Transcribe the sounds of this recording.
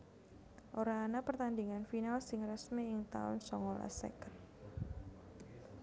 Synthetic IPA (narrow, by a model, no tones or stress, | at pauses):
ʔoɾaːnapərt̪and̪iŋanfinalsɪŋrəsmiɪŋt̪a̰ʊ̰nsɔŋola̰sɛ̰kən